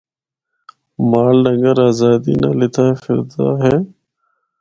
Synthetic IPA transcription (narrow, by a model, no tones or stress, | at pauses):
maːlɖəŋɡəɾaːzaːd̪ḭːnãːlɪt̪ʰaːfʰɪɾd̪a̰ːɦeː